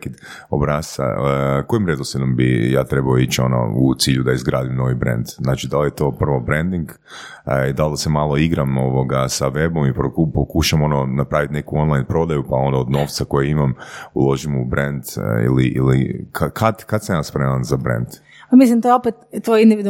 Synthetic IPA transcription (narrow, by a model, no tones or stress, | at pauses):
kid̪ | o̰bɾaːsa̰ko̞jimɾe̞d̪osed̪ombija̰ːt̪ɾebaoit͡ʃo̞no̰ut̪siːʎud̪aizɡɾaːd̪imno̞ʋibɾḛnd̪znaːt͡ʃid̪alje̞t̪o̞ːpr̩ʋo̞bɾend̪iŋɡ | id̪ald̪asemalˠo̞iɡɾamo̞ʋo̞ɡasaʋe̞bo̞mipopokuʃamo̞no̞napɾaʋit̪ne̞kuo̞nlˠajnpɾo̞d̪ajupao̞nd̪aod̪no̞ʋt̪sako̞jeimamṵlˠo̞ʒimubɾend̪ḭliʔḭlikʰakʰad̪kad̪samjaːspɾemanzabɾḛnd̪ | amis̬limt̪ojeopet̪t̪ːojind̪iʋid̪u